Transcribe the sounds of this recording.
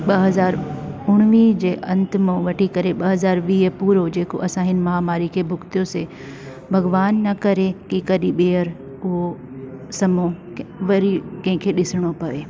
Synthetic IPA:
ɓɐɦɐzaːɾʊɽ̃ʋid͡ʑeːʔɐ̃nt̪mõʋɐʈʰikɐɾeɓɐɦɐzaːɾʋiːpuːɾod͡ʑeːko̰ʔɐsãɦɪnɪ̆mɐɦaːmaːɾikʰeːbʱʊkt̪ijose | bʱɐɡʋaːnːɐkɐɾekikɐɗĩɓeːəɾ | ʊɦo | sɐmõ | ʋɐɾikɐ̃ɦɪ̃kʰeːɗɪsɪɽ̃opɐʋeː

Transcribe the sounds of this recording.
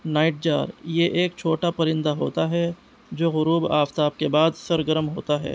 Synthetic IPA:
naːɪʈ̚d͡ʒa̰ːɾjeʔeːkt͡ʃʰoːʈapɐɾɪ̃nd̪aɦoːt̪aɦɛ | d͡ʒoːɣʊɾuːbaːft̪aːb̚kebaːd̪sɐɾɡəɾəmɦo̰ːt̪aɦɛ̰ː

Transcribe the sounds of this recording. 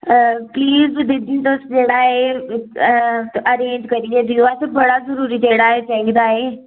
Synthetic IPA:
pliːzd̪ɪd̪ʱĩnt̪osd͡ʒeːɽaːɦe | ʔɐɾeːɲd͡ʒkɐɾid̪ẽt̪ioaːɦet̪obɐɽazɐɾuːɾit̪eːɽaːɦesɛ̃ɡd̪aːɦe

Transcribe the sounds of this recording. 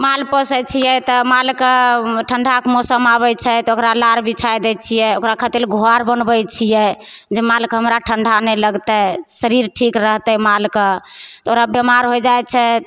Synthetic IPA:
malpəsət͡ʃʰijɛt̪ɔmalkəʈʰəɳɖʱakmɔsəmabɛt͡ʃʰɛt̪okɾalaɾbʱit͡ʃʰajd̪ɛt͡ʃʰijɛokɾakʰət̪ilɡʱoaɾbənbɛjt͡ʃʰijɛ | d͡ʒemalkɦəmɾaʈʰəɳɖʱanɛləɡt̪ɛsəɾiɾʈʰikɾəɦt̪ɛmalkət̪ɔokɾabjəmaɾɦojd͡ʒajt̪̚t͡ʃʰɛ

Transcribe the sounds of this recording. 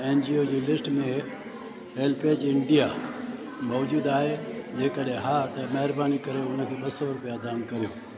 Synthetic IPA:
eːnd͡ʒiod͡ʑelɪsʈmẽ | eːlpeːt͡ʃɪɳɖija | mɔʋd͡ʒuːd̪aːɦed͡ʑeːkəɗẽɦat̪ɐmɐɦɪɾbaːnikɐɾeʊnəkʰeɗɐsoɾʊpijad̪aːnkɐɾjoː

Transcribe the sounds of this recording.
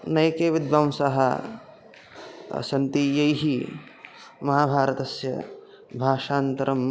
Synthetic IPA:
nɐjkeːʋid̪ʋɐmsɐɦɐ̰ | sɐnt̪ijɐjɦi | mɐɦaːbʱaːɾɐt̪ɐsjɐ̰ | bʱaːʃaːnt̪ɐɾɐm

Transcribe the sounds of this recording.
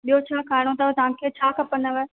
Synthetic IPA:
ɓijot͡ɕʰaːkʰaːɪɽ̃ot̪ɐʋt̪ɐʋ̤ãkʰeːt͡ɕʰaːkɐpənəʋe

